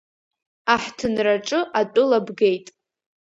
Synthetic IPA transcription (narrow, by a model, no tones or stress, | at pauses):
aħtʰɨnraʈ͡ʂʼɨʔatʷʼʊlabɡe̞jtʼ